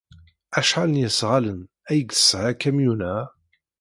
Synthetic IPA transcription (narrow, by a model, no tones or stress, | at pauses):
æʃħalənjəsʁalən | æjɡəsːʕakæmjunæ